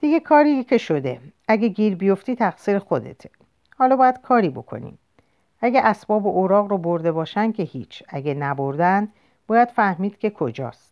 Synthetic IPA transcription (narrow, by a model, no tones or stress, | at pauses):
d̪̥iɡe̞kʰɒːɾicʰe̞ʃo̞d̪e̞ʔæɡeɟiːɾbijo̞ft̪iːt̪ʰæɣsiːɾexo̞d̪e̞̰t̪ʰe | hɒːlɒːbɒːjæd̪̥kʰɒːɾibo̞̰kʰo̞̰nḭːm | æɡæʔæsbɒːboʔoːɾɒːɣroboɾd̪e̞bɒːʃæn̥kʰe̞hiːt͡ʃʰæɡenæbo̞ɾd̪æn | b̥ɒːjæd̪̥fæhmiːd̪̥kcʰe̞kʰo̞d͡ʒɒ̰ːst̪